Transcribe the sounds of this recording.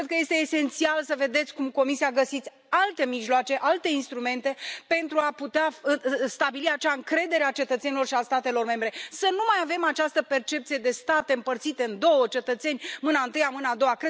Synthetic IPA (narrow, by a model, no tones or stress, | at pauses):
ɾed̪kəje̞st̪e̞ːse̞nt̪sialsəve̞d̪e̞t̪sʲkumko̞misiaɡəsit̪sʲ | alt̪e̞miʒloat͡ʃe̞ʔalt̪e̞inst̪ɾume̞nt̪e̞pe̞nt̪ɾuaput̪east̪abiliat͡ʃaɨŋkɾe̞d̪e̞ɾeat͡ʃe̞t̪ət̪se̞nilo̞rʃiast̪at̪e̞lo̞rme̞mbɾe̞sənumajave̞mat͡ʃast̪əpe̞rt͡ʃe̞pt̪sije̞d̪e̞st̪at̪e̞ɨmpərt̪sit̪e̞ɨnd̪o̞wət͡ʃe̞t̪ət̪se̞nʲmɨnaɨnt̪ɨjamɨnaːd̪o̞wakɾe